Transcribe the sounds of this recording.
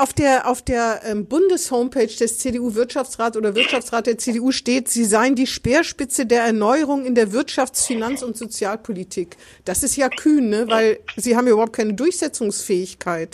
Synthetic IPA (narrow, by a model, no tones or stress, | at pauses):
ʔaʊfd̥eːɐʔaʊfd̥eːɐʔɛːmbʊndəshoʊmpʰeːt͡ʃd̥ɛst͡seːdeuːvɪɐtʃaft͡sʁaːtsʔoːdɐvɪɐtʃaft͡sʁaːt̚d̥eːɐt͡seːdeuːʃteːtz̥iːzaɪəndiːʃpeːɐʃpɪt͡sədeːɐɛɐnɔʏəʁ̞ʊŋɪndeːɐvɪɐtʃaft͡sfinant͡sʊntz̥ot͡sjaːlpʰolitʰiːk | d̥asɪstjaːkʰyːnːəvaɪlziːhaːbm̩jaːʔybɐhʊpt̚kʰaɪnədʊɐçz̥ɛt͡sʊŋsfɛːɪçkʰaɪt